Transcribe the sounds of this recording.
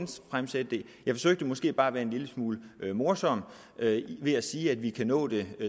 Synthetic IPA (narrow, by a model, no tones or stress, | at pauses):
nsfʁamsed̥e̝ | jɑ̈ɪfɒ̽søɡ̥̚d̥əmɒ̽sɡ̥e̝̰ːb̥ɑ̈ːæʋæːɐe̝nliləsmuːləømo̝ɐsɒ̽m̰ | ʔøʋe̝æsiːæd̥ʋikʰænɔ̰̽ːd̥e̝